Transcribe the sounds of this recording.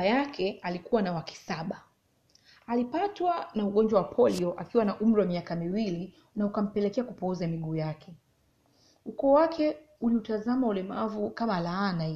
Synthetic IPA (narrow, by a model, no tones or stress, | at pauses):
ajakʰɛalikuwanawaki̥saɓa | alipatwanauɠɔnd͡ʒwawapʰɔliɔʔakiwanaʔum̩ɾiwamiakamiwili | naukam̩pɛlɛkɛakupɔuzamiɠuːjakʰɛ | ukɔːwakʰɛ | uliutazamaulɛmavukamalaːna